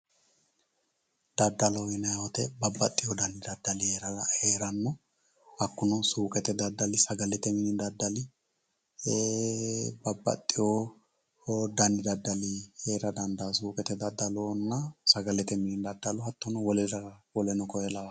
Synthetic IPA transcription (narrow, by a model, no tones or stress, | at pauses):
d̪ɐd̪ːɐlɔjɛnɐjɐwɔt̪ɛbɐbːɐ̰t̪ʼːɪjod̪ɐnd̪ɪd̪ɐd̪ːɐlɪheːɾɐɐheːɾɐnːɔ | hɐkːʊnʊsuːkʼɛt̪ɛd̪ɐd̪ːɐlɪsɐɡɐlɛt̪ɛmɪnɪd̪ɐd̪ːɐlɪ | bɐbːɐ̰t̪ʼːɪjo | d̪ɐnd̪ɪd̪ɐd̪ːɐlɪheːɾɐd̪ɐnd̪asuːkʼɛt̪ɛd̪ɐd̪ːɐloːnːɐsɐɡɐlɛt̪ɛmɪnɪd̪ɐd̪ːɐlɔɦɐt̪ːɔnɔwɔlɛɾɐwɔlɛnɔkɔjɛlɐwɐ